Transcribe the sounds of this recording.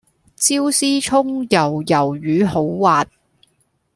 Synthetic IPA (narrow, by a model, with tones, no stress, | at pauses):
t͡siː˥wsiː˥t͡ʃʰʊ˥ŋjɐ˨˩wjɐ˨˩wjyː˨˧ɦo˨˥wwaː˨t̚